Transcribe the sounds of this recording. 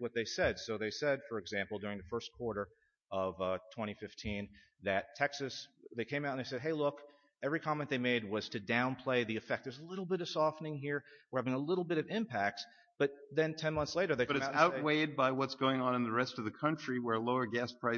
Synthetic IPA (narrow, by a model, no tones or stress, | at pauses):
wʌt̪̚ðeɪsɛd̥soʊðeɪsɛd̥fə˞ɨɡzæ̃mpl̩ˠdʊɹɪ̃ŋðɨfɜ˞skʰw̥ɔɹɾə˞ | ʌvtʰw̥ɛ̃ɾ̃ifɪftʰĩn | ðɨtʰɛksɨsðeɪkʰẽɪ̃maʊɾə̃n̩ðeɪsɛd̚ɦeɪlʊk | ɛvɹikʰɑmɛ̃nðeɪmeɪd̚wʌz̥tʰɨdãʊ̃npʰl̥eɪðiɨfɛk̚t̚ɨzəlɪɾl̩ˠbɪɾʌv̥sɔfnɪ̃ŋɦiɹwə˞hævɪ̃ŋəlɪɾl̩ˠbɪɾʌvɪ̃mpʰæk̚ts | b̥ʌt̪̚ðɨ̃ntʰɛ̃nmʌ̃nθsleɪɾə˞ðeɪʌɾɨsaʊt̚weɪd̚baɪwʌtsɡ̥oʊɪ̃ŋə̃nə̃nðəɹɛstʌvðɨkʰʌ̃nt͡ʃɹ̥iwə˞əloʊə˞ɡæspʰɹ̥aɪ